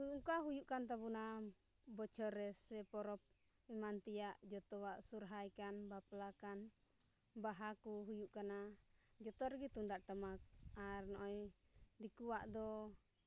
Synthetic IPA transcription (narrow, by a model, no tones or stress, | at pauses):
ukaɦujuʔkant̪abuna | bɔt͡ʃʰɔɾːɛsɛpɔɾɔp̚ | imant̪ijaʔd͡ʒɔt̪ɔwaʔsuɾɦajkanbaplakan | baɦakuɦujuʔkanad͡ʒɔt̪ɔɾɡit̪uŋd̪aʔʈəmak̚aɾnɔʔɔjd̪ikuwaʔd̪ɔ